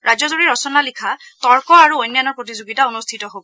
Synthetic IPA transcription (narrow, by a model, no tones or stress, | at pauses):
ɹazɔzoɹiɹɔsɔnalikʰatɔɹkɔaɹuojnːanɔɹpɹotizoɡitaonustʰitɔɦobɔ